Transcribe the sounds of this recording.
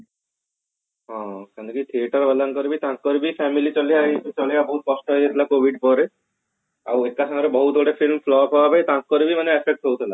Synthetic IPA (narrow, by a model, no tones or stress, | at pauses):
ɦɔ̃kɛ̃nt̪ʰekit̪ʰieʈaɾbɛlankɔɾibit̪ãkkɔɾibifʰɛmilit͡ɕɔlijat͡ɕɔlijabɔɦut̪̚kɔsʈɔɦojd͡ʑet̪ʰilakobʱiɖpɔɾe | awek̚kaʃʰaŋɔɾebɔɦut̪oɽefilmflɔpawapajt̪ãkkɔɾibimaneɛpʰek̚ʈɦowt̪ʰila